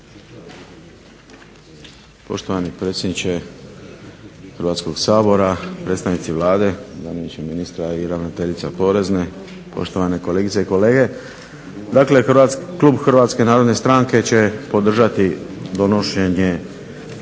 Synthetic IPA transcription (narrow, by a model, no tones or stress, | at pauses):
po̞̰ʃt̪o̞ʋanipɾe̞ːt̪sʲjed̪nit͡ɕe | xərɾʋat̪sko̞ɡsaːbo̞ɾapɾet̪st̪aʋnit̪siʋlˠaːd̪e̞zanimit͡ʃeminist̪ɾaiɾaʋnot̪e̞ʎit̪sapo̞ɾe̞zne̞ | po̞̰ʃt̪oʋane̞koleɡit̪seiko̞le̞ːɡe̞ | d̪akle̞xakluːbxrʋat̪skenaːɾod̪ne̞st̪ɾaːŋke̞t͡ɕe̞po̞d̪r̩ʒat̪id̪o̞no̞ʃe̞ɲe